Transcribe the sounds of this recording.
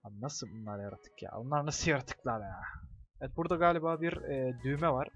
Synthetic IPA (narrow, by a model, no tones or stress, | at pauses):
abnasɯbunlˠaɾjaɾat̪ʰɯ̥kja̰ːbunlˠaɾnasɯljaɾat̪ʰɯ̥klˠaɾjaːɛt̪̚buɾd̪aɡaːlʲibaːbiɾɛːd̪yːmɛvaɾ̥